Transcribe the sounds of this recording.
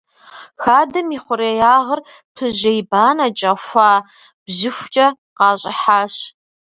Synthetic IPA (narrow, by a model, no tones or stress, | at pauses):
xaːdɨmiːχʷʊɾejaːʁər | pʰɨʑejbaːnɐt͡ʃʼɐxʷɑː | b̥ʑɪxʷt͡ʃʼɐ | qɑːɕʼɪħaːɕ